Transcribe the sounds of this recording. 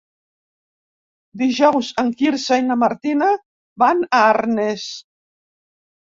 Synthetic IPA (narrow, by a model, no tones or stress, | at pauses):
d̪iʒɔwsaŋkiɾsajnamaɾt̪ina | banaaɾnes